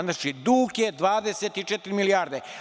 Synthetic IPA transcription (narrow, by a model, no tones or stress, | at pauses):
naʃid̪uːked̪ʋaːd̪e̞set̪it͡ʃet̪ɾimilijaːɾd̪e